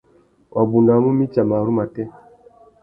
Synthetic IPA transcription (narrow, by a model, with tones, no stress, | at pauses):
wʔa˨bu˨nda˨˦mu˦mi˦t͡ʃa˨ma˨ɾu˦ma˨tɛ˦